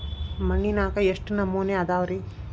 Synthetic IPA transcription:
mɐɳːinaːkɐjeʂʈnɐmːuːneɐd̪aːʋɐɾi

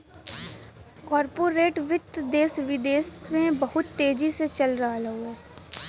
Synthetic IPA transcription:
kɔːɾpoːɾeːʈʋɪt̪ːd̪eːsʋɪd̪eːsmẽbɐɦʊt̪ːeːd͡ʒiset͡ʃɐlɾɐɦalɐɦoː

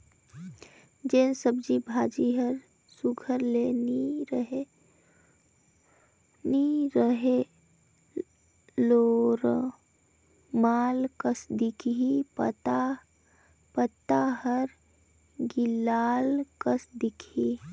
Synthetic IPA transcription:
d͡ʒeːnsəb̚d͡ʒibʱaːd͡ʒiɦəɾ | suɡʱəɾleniɾəe | niɾəɦe | loːɾ | maːlkəsd̪ikʰipət̪a | pət̪aɦəɾ | ɡɪlaːlkəsd̪ɪkʰi

